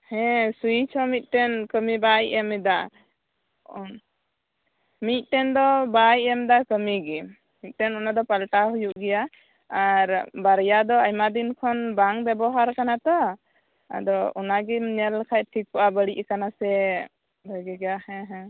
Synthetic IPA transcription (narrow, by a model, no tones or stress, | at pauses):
hɛ̃suit͡ʃʰɔmit̪̚ˀʈɛnkəmibajʔɛmɛd̪a | mit̪̚ˀʈɛnd̪ɔbajɛmd̪akəmiɡɛ | mit̪̚ˀʈɛnɔnad̪ɔpalʈaɦujuʔɡɛjaː | ɾbaɾjad̪ɔajmad̪inkʰɔnbaŋbɛbɔɦaɾkanat̪ɔ | a̰d̪ɔɔnaɡɛmnɛllɛkʰac̪̚ʈʰik̚pɔʔabəɽiʔkanasɛ | bʱəɡɛɡjahɛ̃ɦɛ̃